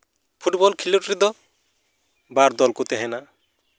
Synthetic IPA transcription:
pʰuʈbɔlkʰileʈɾid̪ɔ | baɾd̪ɔlkut̪eɦɛna

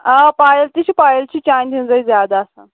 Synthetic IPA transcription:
apajəlt̪iɕiːpajəlt͡ɕiːt͡ɕãnd̪ind͡zəizjad̪aːsã

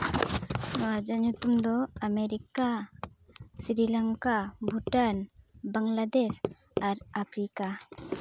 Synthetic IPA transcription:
nɔwad͡ʒaɲut̪umd̪ɔameɾika | siɾilaŋkabʱuʈanbaŋlad̪es | aɾapʰɾika

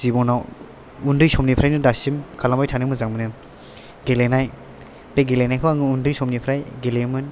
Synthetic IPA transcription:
z̥ibɔnaw | undɯjsɔmnipʰɾajnɯdasimkʰalambajtʰanɯŋmɯzaŋmɯnɯm | ɡelenaj | beɡelenajkʰɯwaŋɯundɯjsɔmnipʰɾajɡelemɯn

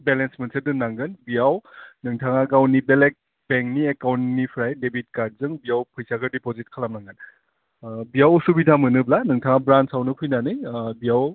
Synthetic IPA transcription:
belensmensʰedɯnːaŋɡɯnbijawnɯŋtʰaŋaɡawnibelek̚ | beŋkniekawntnipʰɾajdebʱit̚kad̚zɯŋbijawpʰɯjsakɯdipozit̚kʰalamnaŋɡɯn | bijawsubidʰʱamɯnɯblanɯŋtʰaŋabɾansawnɯpʰɯjnanɯjbijaw

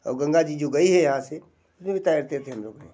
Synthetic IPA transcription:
ɔ̰ːɾɡɐ̃ŋɡad͡ʑid͡ʑoɡɐiɦɛjɐɦãse | ʊsnẽbʱit̪aːɪɾt̪et̪ʰeɦɐmɾõkɐnḛ̃ː

